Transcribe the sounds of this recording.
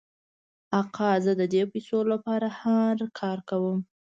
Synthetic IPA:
aqɑzəd̪əd̪episolapɑɾahaɾkʰɑɾkawəm

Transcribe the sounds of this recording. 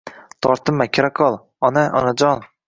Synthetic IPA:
t̪ʰɒɾt̪ʰɨmːakʲʰɾakʰɒlˠ | ɒnaʔɒ̰nad͡ʒɒn

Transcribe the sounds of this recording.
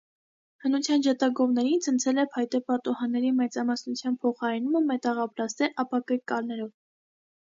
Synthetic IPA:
hənut͡sʰjɑnd͡ʒɑt̪ɑɡɔvnɛɾint͡sʰənt͡sʰɛlɛpʰɑjt̪ɛpɑt̪uhɑnːɛɾimɛt͡sɑmɑsnut͡sʰjɑnpʰɔχɑɾɛnuməmɛt̪ɑʁɑpɾɑst̪ɛɾʔɑpɑkəɾkɑɾnɛɾɔv

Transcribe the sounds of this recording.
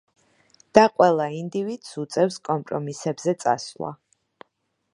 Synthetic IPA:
d̪̥aqʼwɛlˠaind̪ivid̪̥sut̪sʼɛfskʼɔmpʼɾɔmisɛbzɛt̪sʼa̰slˠa̰

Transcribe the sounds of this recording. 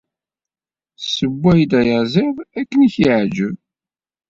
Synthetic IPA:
səbːæjd̪æjəzivækːəniçiʕd͡ʒəv

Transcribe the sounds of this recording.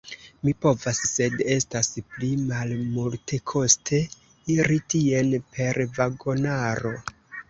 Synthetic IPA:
mipo̞vasːe̞de̞stasplimalmultʰe̞kʰo̞stʰe̞ | iɾitie̞npʰe̞ɾvaɡo̞naɾo̞

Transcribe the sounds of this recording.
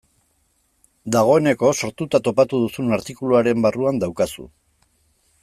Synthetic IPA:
d̪aɣ̞o̞e̞ne̞ko̞so̞ɾt̪ut̪at̪o̞pat̪uð̞usunaɾt̪ikuluaɾe̞mbaruand̪awkasṵ

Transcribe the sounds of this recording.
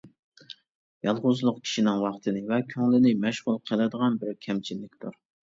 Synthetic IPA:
jɑlˠʁʊzlˠʊqkʲʰi̥ʃinɪŋwɑχt̪ʰɨnɪvɛkʲʰøŋlɪnɪmɛʃʁʊlˠqʰəlˠɪd̪əʁɑnbɪɾkʲʰɛmt͡ʃʰinːɪk̚ʲt̪ʰuɾ

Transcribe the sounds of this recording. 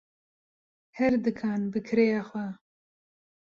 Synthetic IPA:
hɛɾd̪ɨkʰɑːnbɨkʰɾejaxwɛ

